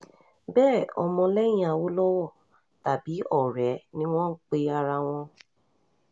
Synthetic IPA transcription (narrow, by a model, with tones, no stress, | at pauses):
bɛː˦˨ɔ˧mɔ̃˧lɛ˦jĩ˦a˧wo˦lɔ˦wɔ˦˨ | ta˨bi˨˦ɔ˦˨ɾɛ˨˦nĩ˦w̃ɔ̃˦k͡pe˦a˧ɾa˧w̃ɔ̃˧